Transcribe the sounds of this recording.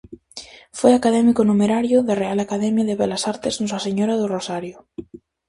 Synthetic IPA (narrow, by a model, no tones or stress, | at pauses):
fojakaðɛmikonumeɾaɾjʊðarealakaðɛmjaðeβɛlasaɾt̪eznɔsaseɲoɾaðʊrosaɾjʊ